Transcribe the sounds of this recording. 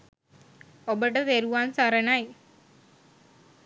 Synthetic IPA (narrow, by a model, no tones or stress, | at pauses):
obɐʈɐt̪eɾuʋaːnsaɾɐnaj